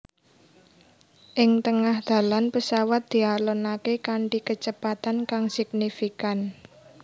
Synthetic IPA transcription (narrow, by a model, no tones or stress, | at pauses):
ʔɪŋt̪əŋahd̪̥ä̤lanpəsawat̪̚d̪̥i̤alɔnakekaɳʈikət͡ʃəpat̪ankaŋsɪk̚nifikan